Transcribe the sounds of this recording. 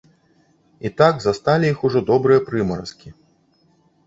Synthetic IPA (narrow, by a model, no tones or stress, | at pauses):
it̪aɡzast̪alʲijixuʐɔd̪ɔbɾɨjɐpɾɨmɐɾɐ̰skʲi